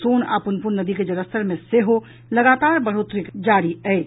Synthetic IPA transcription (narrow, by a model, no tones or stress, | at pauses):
soːna̰ːpənpunnːəd̪iked͡ʒəɾəst̪əɾmẽseɦo | ləɡaːt̪aːɾbəɽ̤ot̪ɾikd͡ʒaɽiɛɪt͡ʃ